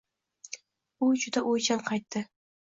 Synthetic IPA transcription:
ʊd͡ʒʊd̪aʔojt͡ʃʰanqʰɑjt̪ʰːɪ

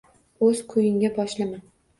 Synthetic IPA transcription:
ɵzkʰʊjɪŋɡʲabɒʃlɪman

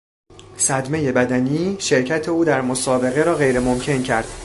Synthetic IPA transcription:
sæd̪me̞je̞bæd̪æniːʃe̞ɾcʰæt̪ʰe̞uːd̪æɾmosɒːbe̞ɣeɾɒːɣejɾe̞momcʰe̞ncʰæɾd̪̥

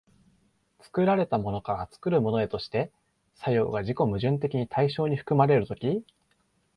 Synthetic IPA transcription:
t͡sɨ̥kɯ̟ɾaɾe̞t̪amo̞no̞kaɾat͡sɨ̥kɯ̟ɾɯ̟mo̞no̞e̞t̪o̞ɕi̥t̪e̞ | sajo̞̰ːɡaʑiko̞mɯ̟ʑɨ̃nt̪e̞kʲiɲ̟it̪ʰaiɕo̞ːɲ̟iɸɯ̟̥kɯ̟maɾe̞ɾɯ̟t̪o̞kʲi

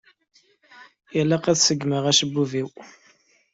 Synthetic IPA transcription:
jælːæqæθsəɡməʁæʃəbːuviw

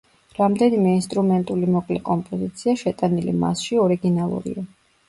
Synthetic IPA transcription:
ɾamd̪ɛnimɛinst̪ʼɾumɛnt̪ʼulimɔkʼlɛkʼɔmpʼɔzit̪sʰiaʃɛt̪ʼanilḭma̰sʃiɔɾiɡinalˠṵɾḭa

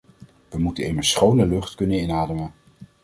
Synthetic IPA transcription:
ʋəmutənejməsχownəlɵχtkɵnənɪnaːdəmən

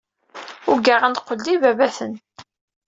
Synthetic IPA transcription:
ʊɡaʁænt̪qːəlːivævæθən

